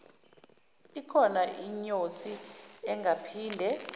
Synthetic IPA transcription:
ikʰɔnaʔiɲosiɛŋɡʱapʰiːndʱɛ

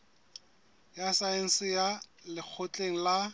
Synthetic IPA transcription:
jasaen̩sɪjalɪk͡xʰot͡ɬʼeŋ̩la

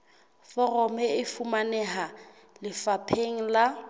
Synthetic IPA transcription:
fɔrɔmɛɪfumanɛɦa | lɪfapʰeŋ̩la

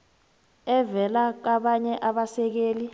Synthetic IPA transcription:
ɛvɛlak̬aɓaɲɛʔaɓasɛk̬eːli

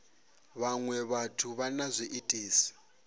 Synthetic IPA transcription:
βaŋwɛβatʰuβanazʷiʔitʼiːsi̥

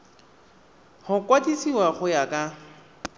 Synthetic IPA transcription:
hʊkwatisiwaχʊjakʼa

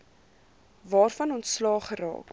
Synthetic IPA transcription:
vɑːrfɐnɔntslɑːχəɾɑ̰ːk

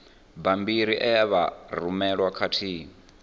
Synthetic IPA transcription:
bambiɾiʔɛjaβarumɛɺwakʰatʰiːŋ

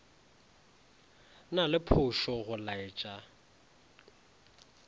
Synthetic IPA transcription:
nalɪpʰʊʃɔɣʊlaɪt͡ʃʼa

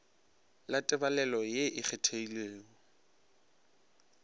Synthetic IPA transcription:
latʼɛbalɛlɔjeʔɪk͡xʰɛtʰeileːŋɔ

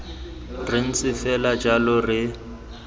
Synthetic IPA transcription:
rɪn̩t͡sʼɪfɛlad͡ʒalʊrɪ

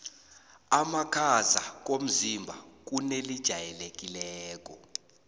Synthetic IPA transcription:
amakʰazak̬om̩zimbʱak̬unelid̥ʒ̥ʱajɛlek̬ʼilɛːk̬ʼɔ

